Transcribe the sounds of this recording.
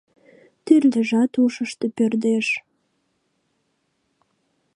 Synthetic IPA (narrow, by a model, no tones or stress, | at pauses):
t̪yrd̪ə̆ʒɑt̪uʃəʃt̪epørd̪eʃ